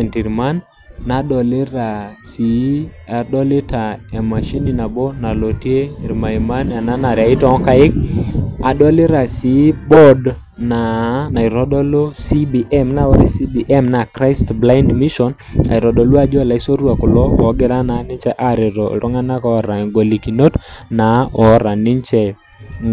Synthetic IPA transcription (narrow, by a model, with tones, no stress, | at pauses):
nti˨ɾma˦nː | a˨dɔ˨lɪ˦ɾa˨si˨˦a˨dɔ˦lɪ˦ta˨e˨ma˨ʃi˦ni˨na˨bɔ˦na˨lo˨tje˦i˨ɾma˨i˨ma˦na˨na˦na˨ɾja˨ɪ˦tɔ˨˦ka˦ɪ˦k̚a˨dɔ˦lɪ˦ɾa˨si˨˦bɔ˦d | na˨na˨i˨ɾɔ˦dɔ˦lo˦si˦bi˨ʔɛ˦mna˨ɔ˦ɾi˦si˦bi˨ʔɛ˦mna˨kɾa˦jstbla˦indmi˦ʃɔ˨na̰˨ɾɔ˨ɗɔ˨lu˦a˦d͡ʒɔ˦˨la˨i˦so˦ɾwa˨kʊ˨lɔ˦ɔ˨˦ɡɪ˦ɾa˦na˨˦nɪ˦ɲt͡ʃɛ˦ʔa˦ɾɪ˨ɾɔ̰˨ɾʔɔ˦ŋa˦na˦kɔ˦˨ɾa˨ŋɡo˨li˨ki˨no˦t | na˨˦ɔ˨ɾa˨nɪ˦ɲt͡ʃɛ˨